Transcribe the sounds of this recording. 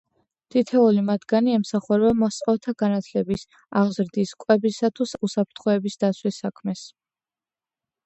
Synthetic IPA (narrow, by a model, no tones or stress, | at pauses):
t̪ʰit̪ʰɛulimad̪ɡaniɛmsaχuɾɛbamɔst̪sʼɔft̪ʰaɡ̥anat̪ʰlɛbis | a̰ʁzɾd̪iskʼwɛbisat̪ʰususapʰɾt̪ʰχɔɛbisd̪at̪sʰwisakʰmɛs